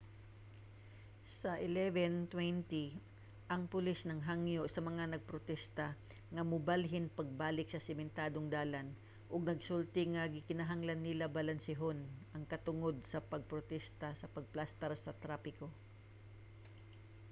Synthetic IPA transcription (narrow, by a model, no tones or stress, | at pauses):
sɐʔɪlɛvɛnt̪wɛnt̪i | ʔɐŋpʊlisnɐŋɦaŋjoʔsɐmɐŋanɐɡ̚pɾot̪ɛst̪ɐ | ŋɐmʊbalɦɪnpɐɡ̚baːlɪk̚sɐsɪmɛnt̪aːd̪oŋd̪aːlan | ʔʊɡnɐɡsult̪ɪŋɐɡɪkɪnɐɦaŋlɐnːɪlabɐlɐnsɪɦonʔɐŋkɐt̪ʊŋo̞d̪̚sɐpɐɡ̚pɾot̪ɛst̪ɐsɐpɐɡ̚plast̪ɛɾsɐt̪ɾaːpɪko̞